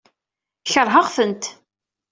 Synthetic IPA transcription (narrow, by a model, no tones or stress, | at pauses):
çəɾˤɦəʁfənt̪